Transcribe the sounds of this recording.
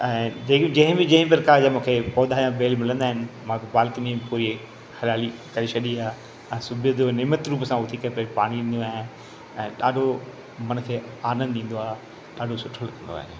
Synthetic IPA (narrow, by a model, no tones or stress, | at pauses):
ɛ̃ːd͡ʑeːkd͡ʑɐ̃ɦɪ̃bɪ̃d͡ʑɐ̃ɦɪ̃p̬ɪɾkaːd͡ʑamũːkʰepɔːd̪aːjãbeːlmɪlə̃nd̪aːɦɪnɪ̆mãkobaːlkɪnĩbpoːɾi | hɐɾjaːlikɐɾet͡ʃʰɐɗiaː | ɛ̃ːsʊbʱiəd͡ʑoneːmət̪ɾuːpsãʊt̪ʰikɐɾepɐipaːɽ̃iɗĩːnd̪oaːɦɪ | ɛ̃ːɗaːɖʱo | mɐnkʰeː | aːnə̃nd̪ĩːn̆d̪oaːe | ɗaːɖʱosʊʈʰːolɐkɐ̃nd̪o̰a̰ːɦe